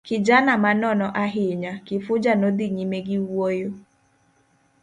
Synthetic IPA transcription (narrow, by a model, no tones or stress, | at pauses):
kɪd͡ʒanamanɔnɔʔaɦɪɲakɪfʊd͡ʒanodɪɲimeɡɪwojo